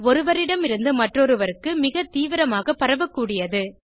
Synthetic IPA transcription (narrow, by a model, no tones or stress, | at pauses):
ɔɾɯʋɐɾɪɽɐmɪɾɯnd̪ɯmɐʈrɔɾɯʋɐɾɯkːɯmɪɣɐt̪iːʋɪɾɐmaːɣɐpɐɾɐʋɐkːuːɽɪjɐðɯ